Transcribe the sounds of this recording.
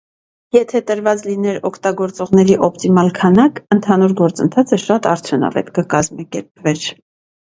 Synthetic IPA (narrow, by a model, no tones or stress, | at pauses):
jɛt̪ʰɛt̪əɾvɑt͡slinɛɾɔkʰt̪ɑɡɔɾt͡sɔʁnɛɾiʔɔpt̪imɑlkʰɑnɑkənt̪ʰɑnuɾɡɔɾt͡sənt̪ʰɑt͡sʰəʃɑt̪ɑɾt͡sʰjunɑ̰vɛ̰t̪kəkɑzmɑkɛɾpvɛɾ